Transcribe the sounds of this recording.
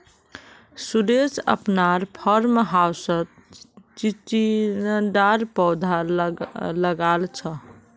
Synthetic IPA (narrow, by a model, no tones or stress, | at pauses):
suɾesə̰pnaɾpʰəɾmɦawsət̪̚ | t͡ʃit͡ʃinɖaɾpɔwd̪ʱa | ləɡalt͡ʃʰə